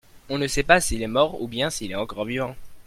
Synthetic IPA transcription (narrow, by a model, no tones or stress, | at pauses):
ɔ̃nəsɛpasiːlɛmɔʁṵbjɛ̃siːlɛɑ̃kɔʁvivɑ̃